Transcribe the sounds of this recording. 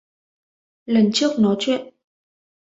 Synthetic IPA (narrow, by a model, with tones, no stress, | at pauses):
lə˨˩nt͡ɕɨ˦˥ək̚nɔ˨˦t͡ɕwɛ̰˧˨nʔ